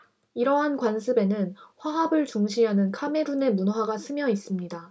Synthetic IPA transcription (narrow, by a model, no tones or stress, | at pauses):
iɾʌɦankwansʰɯbe̞nɯnɸwaɦabɯɭt͡ɕuŋɕʰiɦanɯnkʰame̞ɾune̞munɦwaɡasʰɯmjʌis͈ɯmɲida